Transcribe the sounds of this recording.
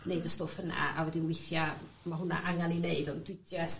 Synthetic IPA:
neɨdɔstɔfəna̰ʔawɛdinwɪθja | maɦʊna̰ʔaŋanineɨdɔnd̥wɪdɛs

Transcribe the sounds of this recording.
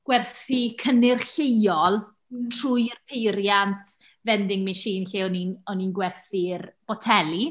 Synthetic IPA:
ɡ̥wɛrθikʰənɪrɬejɔlˠ | tʰr̥uːjrpʰejɾjantʰ | vɛndɪŋmiʃiːnɬiːɔninɔninɡwɛrθirb̥ɔtʰɛlˠi

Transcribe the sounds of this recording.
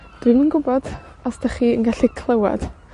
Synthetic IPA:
d̥wimənɡʊbɔd̥ | asd̥aχiːənɡaɬikʰlˠəwa̰d̥

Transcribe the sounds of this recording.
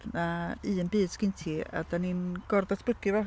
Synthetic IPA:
naɨənbɨːd̥skɪntʰiːa̰daninɡ̥ɔrdatʰb̥əɡɨvɔ

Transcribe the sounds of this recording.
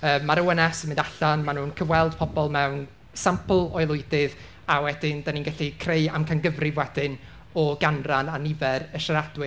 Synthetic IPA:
əːmːaɾəwənɛsmɪ̃ndaɬanmanuːnkʰəvwɛlˠd̥pʰɔbɔlˠmɛwn | sampʰlˠɔjlˠʊɨdɪð | awɛdɪndaninɡaɬikʰrejamkʰanɡəvrɪvwɛd̥ɪn | ɔɡanrananɪvɛrəʃaɾadwɪ

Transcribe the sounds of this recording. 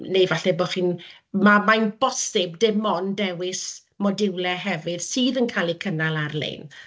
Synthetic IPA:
nejvaɬɛbɔχiːn | mamajnbɔsɪbdɪmɔndɛwɪs | mɔdɪwlɛɦɛvɨð̥siːðənkʰaːlˠikʰənalˠarlḛn

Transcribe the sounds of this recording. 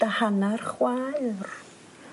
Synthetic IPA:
d̥ahanarχwajr

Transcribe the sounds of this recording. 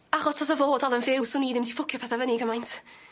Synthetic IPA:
aχɔsʰɔs̬əvoːdalˠənfɪwsʊniːðɪmdifʊkʰjəpʰɛθavəniɡəmajntʰ

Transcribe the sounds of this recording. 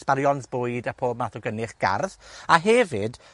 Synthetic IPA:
sb̥aɾjɔnsbʊjdapʰoːb̚maθɔɡənɪχɡ̥a̰rðaɦɛvɪd̥

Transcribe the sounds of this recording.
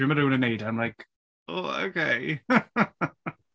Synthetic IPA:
ɪməɾɨːnənejdamlajk | oːo̰kʰeɪ

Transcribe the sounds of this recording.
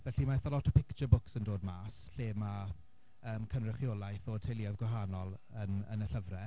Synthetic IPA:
vɛɬimaɛθalˠɔtʰɔpʰɪkt͡ʃəbʊksəndoːdmaːsɬeːma | əːmkʰənrəχjoːlˠajθoːd̥ʰejliavɡwaɦanɔlˠənə̰nəɬəvrɛ

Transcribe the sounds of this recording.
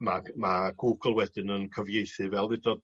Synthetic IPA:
mamaɡ̥uːɡəlˠwɛd̥ɪnənkʰəvjejθɨvɛlˠðɪdɔd

